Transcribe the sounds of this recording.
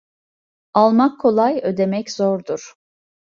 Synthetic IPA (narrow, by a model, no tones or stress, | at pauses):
alˠmakʰːo̞lˠajød̪e̞mɛczoɾd̪uɾ̥